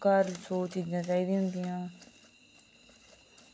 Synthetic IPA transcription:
kəɾsoːt͡ʃiːzãːt͡ʃaːiːd̪ĩːɦʊ̃nd̪iːjãː

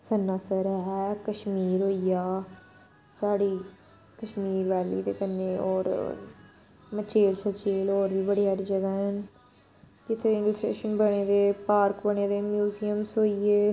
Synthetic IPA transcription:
sənːaːsəɾɦɛɛkəʃmiːɾɦoːijaː | saːɽiː | kəʃmiːɾʋɛːlḭːd̪eːkənːeːɔ̰ːɾ | mət͡ʃeːlt͡ʃʰət͡ʃeːloːɾʋiːbəɽiːɦəɾd͡ʒəɡaːɦən | kɪt̪ʰːeːɪ̃nləsʈḛːʃənbəɽ̃eːd̪eːpaːɾkbəɽ̃eːd̪eːmjuːzijəmsɦoːieː

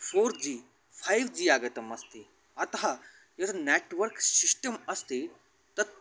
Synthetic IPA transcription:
fʰoːɾd͡ʒiː | pʰaːjʋd͡ʒiaːɡɐt̪ɐmɐst̪i | ɐt̪ɐɦa | jɐt̪neːʈʋɐɾksisʈɐmɐst̪i | t̪ɐt̪̚

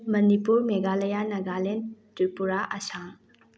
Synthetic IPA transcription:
mɐnipuɾmeɡalɐjanɐɡalentipuɾaʔɐsaŋ

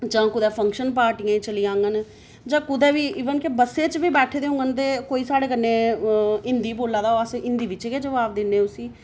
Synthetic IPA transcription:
d͡ʒãːkʊd̪ɛːpʰə̃ŋkʃənpaːɾʈijãːit͡ʃəlijãːŋɡən | d͡ʒãːkʊd̪ɛːʋiːʔiːʋənkebəsːeːt͡ʃbiːbɛːʈʰeːd̪eːɦʊ̃ŋɡənt̪eːkoːiːsaːɽeːkənːeːɪnd̪iːboːlːaːd̪aːoasɪnd̪iːʋɪt͡ʃːkeːd͡ʒəʋaːbd̪ɪnːeːʊsiː

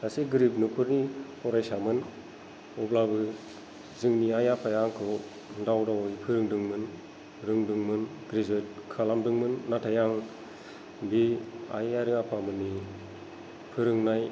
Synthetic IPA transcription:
asiɡɯɾipnupʰɯɾnihɔɾajsamɯn | ɔblabɯ | zɯŋniajapʰajaŋkʰɯ | dawdawɯjpʰɯɾɯŋdɯŋmɯn | ɾɯŋdɯŋmɯnɡɾizɔjt̚kʰalamdɯŋmɯnːatʰajaŋ | bia̰jaɾɯŋapʰamɯnːi | pʰɯɾɯŋnaj

